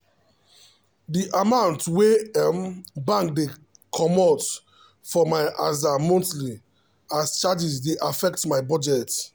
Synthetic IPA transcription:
diʔamãʊ̃ntwembãŋk̚de | kʰɔmɔt | fɔmaɪazamɔ̃ntli | ast͡ʃad͡ʒis̬deʔafɛk̚tmaɪbɔd͡ʒɛt

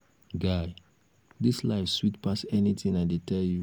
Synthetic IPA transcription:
ɡaɪ | dislaɪfswitpʰasɛnit̪ʰĩŋaɪdetʰɛlju

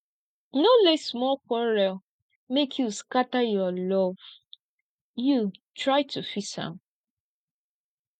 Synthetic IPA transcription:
nolɛsmɔkʷɔɹɛl | mekʰjuskatajɔlɔv | jutɹaɪtʰufisã̰m

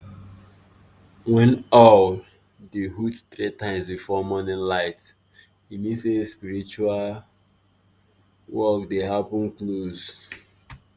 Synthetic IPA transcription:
wɛ̃nɔl | deɦuttɹitãɪ̃msbifɔmɔnɛ̃nlaɪt | himĩnsespiɹit͡ʃual | wɔkdehapə̃nkloz

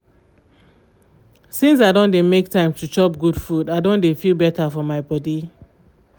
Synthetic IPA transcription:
sĩns̬aɪdõndemek̚tãɪ̃mtʰut͡ʃɔp̚ɡud̥fudaɪdõndefilˠbɛtafɔmaɪbɔdi

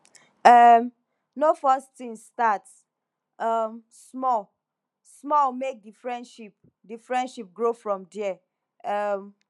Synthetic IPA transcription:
ʌm | nofʌstĩŋstats | ʌm | smɔl | smɔlmek̚difɹɛ̃ndʃip̚ | difɹɛ̃ndʃip̚ɡɹofɹɔ̃mdɛɛ | ʌm

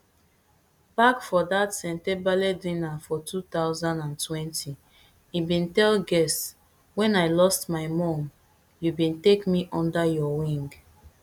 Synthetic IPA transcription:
b̥akfɔdatsɛ̃ntɛbalɛdĩnafɔtʰut̪aʊzãndãntʰwɛ̃ntʰi | ibĩntɛlɡɛs | wɛ̃naɪlɔstmaɪmɔ̃m | jubĩntekmiʔɔ̃ndajɔwĩŋɡ

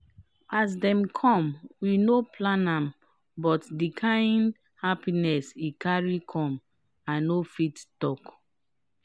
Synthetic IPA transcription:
as̬dɛ̃mkʰɔ̃mwinopʰlãnãm | bɔtdikʰãɪ̃nd | hapinɛsikaɹikʰɔ̃m | ãnːofittɔk

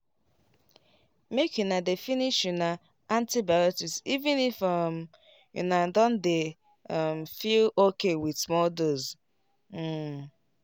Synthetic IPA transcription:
mekjunadefiniʃjuna | antibajotisivĩnifɔm̩ | jṵnadɔ̃nde | m̩filokewidsmɔdoz̩

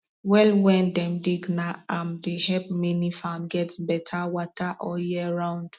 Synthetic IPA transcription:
wɛlwɛ̃ndɛ̃mdiɡnaamdehɛp̚minifamɡɛtbɛtʰawɔtʰaʔɔjɛɹãʊ̃nd̥

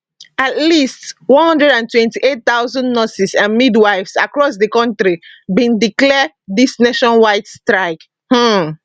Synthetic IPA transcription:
atlistwɔ̃nhɔ̃ndɹɛdãntwɛ̃ntiʔet̚t̪aʊzɔ̃ndnɔsisãnmidwaɪvsakɹɔsdəkɔ̃ntɹibĩndiklɛ | disneʃɔ̃nwaɪtstɹaɪk | h̩

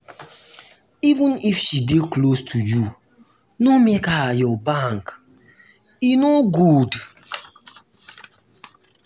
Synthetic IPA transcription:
ivə̃nifʃideklostʰuju | nɔmekaajɔbaŋk | inoɡud

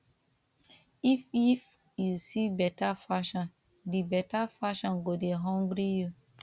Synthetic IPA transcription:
ifif | jusibɛtafaʃɔ̃n | dibɛtafaʃɔ̃nɡodeɦɔ̃ŋɡɾiju

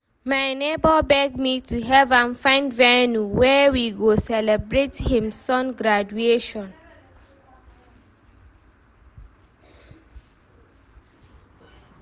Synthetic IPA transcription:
majnebɔbɛɡ̚mitʰuɦɛvãnfãɪ̃ndvɛnuwɛwiɡosɛlɛbɹethĩmsɔ̃nɡɹad͡ʒueʃɔ̃n

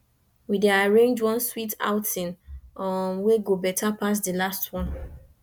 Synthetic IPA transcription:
wideaɹẽndwɔ̃nswitʰa̰ʊtʰĩnɔmweɡobɛtʰapas̬dəlastʰwɔ̃n

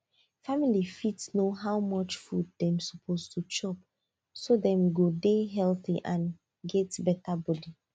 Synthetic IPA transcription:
familifitsnoɦawmɔt͡ʃfud̚dɛ̃msɔpʰoztʰut͡ʃɔp̚ | sodɛ̃mɡodeɦɛlθiʔãn | ɡɛtbɛtabɔdi

